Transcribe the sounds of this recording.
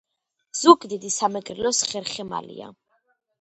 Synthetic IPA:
z̥ukʼd̪id̪isamɛɡʼɾɛlɔsχɛɾχɛma̰lḭa̰

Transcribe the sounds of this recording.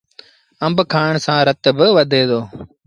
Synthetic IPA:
əmbkʰaːɳsãːɾət̪bəʋəd̪ʱeːd̪oː

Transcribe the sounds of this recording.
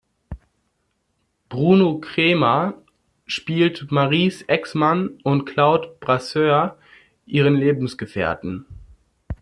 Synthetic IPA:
b̥ʁuːnokʁ̥eːma | ʃpiːltmaʁiːsʔɛksmanʊntkʰl̥aʊtb̥ʁasøːɐ | ʔiːʁənleːbm̩sɡ̥əfɛ̰ːɐtn̩

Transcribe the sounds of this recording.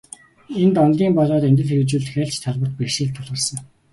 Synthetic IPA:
ent̪ɔnt̪iːmpɔɮɔːt̪ent̪ɘ̆ɮxeɣɘ̆t͡ɕuːɮt̪xʲæːɬt͡ɕt̪ʰːɔɮpə̆rt̪̚pekʃeːɮt̪ʰʊɮʁə̆rsə̆ŋ

